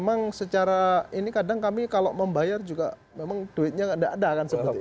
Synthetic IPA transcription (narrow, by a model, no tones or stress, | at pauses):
maŋsət͡ʃaɾainikadaŋkamikaloʔməmbajard͡ʒuɡa̰ | memaŋd̥oɪt̪̚ɲaandaʔadakansəbəi